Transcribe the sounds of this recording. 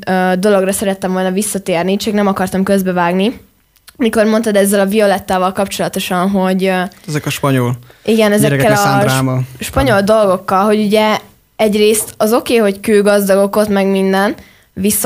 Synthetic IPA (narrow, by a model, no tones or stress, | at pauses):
ød̪o̞lo̞ɡrɒsɛɾɛt̪ːɛɱvo̞lnɒvisːɒt̪eːrnit͡ʃɛknɛmɒkɒrt̪ɒmkø̞zbɛvaːɡni | miko̞rmo̞nt̪ɒd̪ɛzːɛlɒvio̞lɛt̪ːaːvɒlkɒpt͡ʃo̞lɒt̪o̞ʃɒnɦo̞ɟɛzɛkɒʃpɒɲoliɡɛnɛzɛɾkkːɛllɒaɾaːmɒlʃpɒɲo̞ld̪o̞lɡo̞kːɒlɦo̞ɟuɟɛ | ɛɟreːst̪ɒzo̞keːɦo̞ckøːɡɒzd̪ɒɡo̞ko̞t̪mɛɡmind̪ɛn | ʋisː